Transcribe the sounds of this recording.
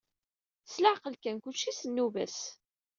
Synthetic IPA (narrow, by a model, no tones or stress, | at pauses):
slaʕqəlkænkut͡ʃːisənːuvæ̰s